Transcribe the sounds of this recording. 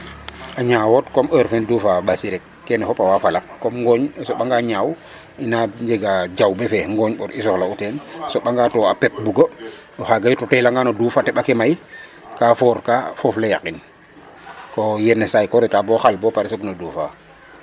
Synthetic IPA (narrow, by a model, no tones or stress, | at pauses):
ʔaɲawotkɔməɾfɛndufaɓasiɾɛkːɛnɛfɔpawafalakːɔmŋɡɔɲsɔɓaŋɡaɲaːw | inaɲd͡ʒeɡad͡ʒawbɛfɛŋɡɔɲɓɔɾisɔxlautɛnsɔɓaŋɡatɔapɛp̚buɡo | ɔxaɡajutɔtɛlaŋɡanoduːfatɛɓakɛmaj | kafɔɾkaːfɔflejakin | kɔjɛnɛsajkɔɾitabɔxalbɔpaɾisoknoduːfa̰